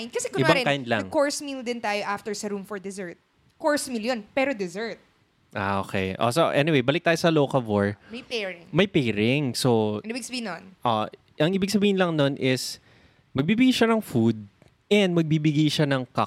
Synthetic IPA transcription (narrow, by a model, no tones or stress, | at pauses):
nd̪̚kɐsɛkʊɪbaŋɪkajnd̪lɐŋkoɹsmild̪ɪnt̪aːjoʔaft̪ɛɹsɐɾumfɔɹd̪ɛzɛɹt̪̚ | koɹsmiljonpɛɾod̪ɛzɛɹt̪̚ | ʔaʔoːkɛ̰jʔo̰soʔɛ̰nɪwejbɐlɪk̚t̪aːjosɐloːkɐlvoɹmɐjpɛɹɪŋmɐjpɛjɾɪŋsoibɪɡsɐbihɪnnʔo | ʔɐŋʔiːbɪɡ̚sɐbiːhɪnlɐŋnonʔɪs | mɐɡ̚biːbɪɡajʃɐnɐŋfud̪̚ | ʔɛnd̪̚mɐɡ̚bibɪɡajʃɐnɐŋka